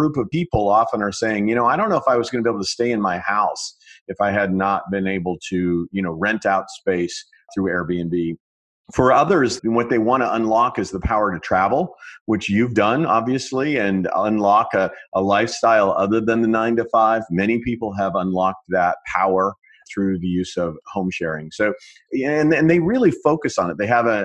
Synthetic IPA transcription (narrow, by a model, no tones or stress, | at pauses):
ɹupʌv̥pipl̩ˠɑfə̃nə˞seɪɪ̃ŋjɨnoʊaɪɾõʊ̃nːoʊəfaɪwʌzɡʌnbieɪbl̩ˠtɨsteɪɨ̃nmaɪhaʊsɨfaɪɨdⁿnət̚b̥ɨ̃neɪbl̩ˠtʰɨjɨñoʊɹɛ̃ntaʊtspeɪs | θɹʉɛɹbiɨ̃nbi | fə˞ʌðə˞zwʌt̪̚ðeɪwɑ̃ñtəə̃nlɑkɨzðəpʰaʊə˞ɾɨtʰɹ̥ævl̩ˠwɨt͡ʃjʉvdʌ̃nɑ̰bviɨsliɨ̃nə̃nlɑkɨʔəlaɪfstaɪlˠʌðə˞ðɨ̃nðɨnãɪ̃ntɨfaɪvmɛɾ̃ipʰipl̩ˠəvə̃nlɑk̚ðət̚pʰaʊə˞ | θɹʉðɨjʉzʌv̥hõʊ̃mʃɛɹɪ̃ŋsoʊ | ɨ̃nɨ̃nðeɪɹɪlˠifoʊkɨsn̩ɨt̪̚ðeɪəvɨ